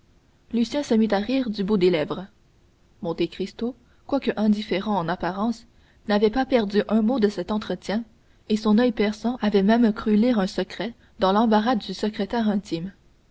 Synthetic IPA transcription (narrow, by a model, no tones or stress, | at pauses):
lysjɛ̃səmit̪aʁiːʁd̪ybud̪elɛvʁə | mɔ̃t̪ekχist̪o | kwakəʔɛ̃d̪ifeʁɑ̃ɑ̃napaʁɑ̃s | navɛpapɛʁd̪yʔœ̃mod̪əsɛt̪ɑ̃t̪χət̪jɛ̃ | esɔ̃nœjpɛʁsɑ̃avɛmɛmkχyliʁœ̃səkχɛ | d̪ɑ̃lɑ̃baʁad̪ːysəkχet̪ɛʁɛ̃t̪im